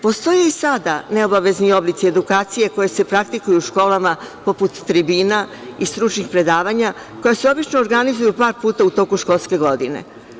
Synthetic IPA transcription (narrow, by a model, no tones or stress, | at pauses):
po̞st̪o̞jeisad̪ane̞o̞baʋe̞znio̞blit̪sied̪ukaːt̪sije̞ko̞jese̞pɾak̚t̪ikujuuʃko̞ːlamapo̞put̪ːɾibiːna | ist̪ɾut͡ʃnixpɾe̞d̪aːʋaɲa | ko̞jaseo̞bit͡ʃnoːɾɡanizujupaːɾpuːt̪aut̪o̞ːkuʃko̞lˠske̞ɡo̞d̪inḛ